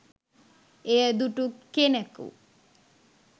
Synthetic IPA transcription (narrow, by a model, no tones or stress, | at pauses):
ejəd̪uʈukenekṵ